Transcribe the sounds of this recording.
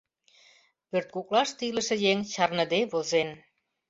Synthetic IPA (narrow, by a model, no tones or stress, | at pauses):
pørt̪̚kuklɑʃt̪ilə̆ʃĕjeŋt͡ɕɑrnə̆d̪eβozen